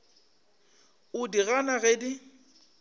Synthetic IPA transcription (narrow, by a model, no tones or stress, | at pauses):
ʊdiɣanaɣedi